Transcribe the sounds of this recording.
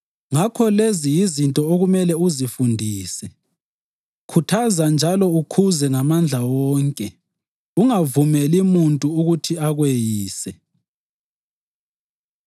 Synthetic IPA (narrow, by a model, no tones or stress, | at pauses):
ŋakʰɔlezijizintʼɔoɣumɛlɛuzifundʱiːsɛ | kʰutʰazand͡ʒʱalɔukʰuzɛŋamand͡ɮʱawɔːŋkʼɛ | uŋavumɛlimuntʼuuɣutʰiaɣwejiːsɛ